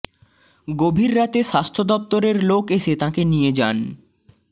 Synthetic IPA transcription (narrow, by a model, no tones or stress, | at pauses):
ɡobʱiɾːat̪eʃast̪ʰod̪ɔp̚t̪oɾeɾlokeʃet̪ãkenijed͡ʑa̰n